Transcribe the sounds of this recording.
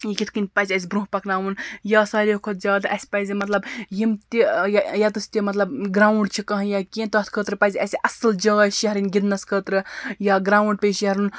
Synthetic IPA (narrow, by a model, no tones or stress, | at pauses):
jikʲit̪ʰkɨnʲpɐzʲɐs̬ʲbɾũɦpɐknaːwunjasaːɾʲekʰot̪̚ʰzʲaːd̪ɐsʲpɐjzʲimɐt̪lɐbjimt̪ijajat̪ɨsʲt̪ʲemɐt̪lɐbɡɾaːwuɳɖt͡ʃʰikɐɦɐ̃jakʲẽnt̪ɐt̪ʰkʰəːt̪ɾɨpɐzʲɐsʲiʔɐsɨld͡ʒɐɡaʃiɦɐɾinɡʲid̪nɐskʰət̪ɾɨjaɡɾaːwɳɖ̚peʃiɦɐɾun